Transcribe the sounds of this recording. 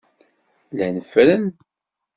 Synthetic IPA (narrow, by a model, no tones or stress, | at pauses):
lænəfɾən